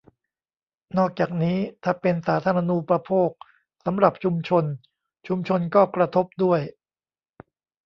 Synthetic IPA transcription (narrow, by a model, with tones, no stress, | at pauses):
nɔː˥˩k̚t͡ɕaː˨˩k̚niː˦˥t̪ʰaː˥˩pe˧nsaː˩˦t̪ʰaː˧ɾa˧nu˧pɾa˧pʰoː˥˩k̚ | sa˩˦mɾa˨˩p̚t͡ɕʰu˧mt͡ɕʰo˧n | t͡ɕʰu˧mt͡ɕʰo˧nkɔː˥˩kɾa˧t̪ʰo˦˥p̚du˥˩əj